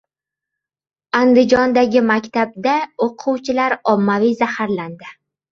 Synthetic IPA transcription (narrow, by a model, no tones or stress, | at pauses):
and̪ɪd͡ʒɒnd̪aɡʲɪmakʲt̪ʰab̚d̪aoqʰʊwt͡ʃʰɪlaɾɒmːavijzahaɾland̪ɪ